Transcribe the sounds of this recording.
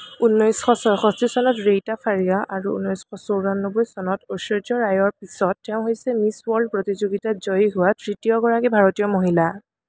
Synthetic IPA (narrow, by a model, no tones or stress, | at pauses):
unːɔjsxɔsɔɹxɔstisɔnɔtɹejtapʰaɹijaʔaɹuṵnːɔjsxɔsowɹanːɔbɔjsɔnɔtosɹɔd͡ʒɔɹajɔɹpisɔtːɛʊ̃ɦojsɛmiswɔɹldpɹotizoɡitazɔjɦʊwatʰɹitijɔɡɔɹakibʱaɹotijɔmoɦila